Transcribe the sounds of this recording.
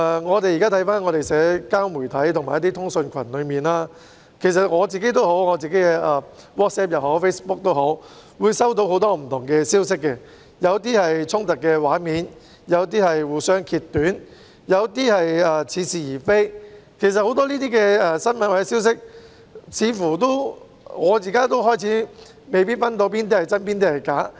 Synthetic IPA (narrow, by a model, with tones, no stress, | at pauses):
ɛ˨ŋɔː˨˧t̪e˨jiː˨kaː˥t̪ʰɐ˨˥jfaː˥nŋɔː˨˧t̪e˨jsɛː˨˥kaː˥wmuː˨˩jt̪ʰɐ˨˥jt̪ʰʊ˨˩ŋmaː˨˩jɐt̪̬iː˥t̪ʰʊ˥ŋsɵ˧nkʰɐ˨˩nlɵ˨˧ɥmiː˨nlaː˥ | kʰe˨˩s̬ɐ˨t̚ŋɔː˨˧t͡siː˨ke˨˥jt̪̬o˥who˨˥wŋɔː˨˧t͡siː˨ke˨˥jkɛ˧ʔɐː˨ | wɔː˥t̚sɛː˥p̚jɐ˨˧wɦo˨˥wfe˥jspʊ˥k̚t̪o˥wɦo˨˥wwuː˨˧jsɐ˥wt̪o˧who˨˧˥wt̪ɔː˥m̩˨˩t̪ʰʊ˨˩ŋkɛː˧siː˥wsɪ˥kːɛ˧ | jɐ˨˧wt̪̬iː˥hɐ˨jt͡sʰʊ˥ŋt̪ɐ˨kːɛː˧waː˨˥nmiː˨˧n | jɐ˨˧wt̪iː˥hɐ˨jwuː˨˩jsœː˥ŋkʰiː˧t̪ːyː˨˥n | jɐ˨˧wt̪iː˥hɐ˨jɐː˨t͡sʰiː˨˧siː˨jiː˨˩fe˥jkʰe˨˩js̬ɐ˨t̚ho˨˥wt̪ɔː˥liː˥t̪̬iː˥kɛː˧ɛ˨˧sɐ˥nmɐ˨nwɐ˨˧˥siː˥wsɪ˥k̚ | t͡sʰiː˨˧fuː˨˩t̪o˥w | ŋɔː˨˧jiː˨kaː˥t̪o˥wɦɔː˥jt͡sʰiː˨˥ | me˨˧jp̬iː˥t̚fɐ˥nt̪o˧wp̬iː˥nt̪iː˥ɐ˨˩jt͡sɐ˥npiː˥nt̪iː˥hɐ˨˩jkaː˨˥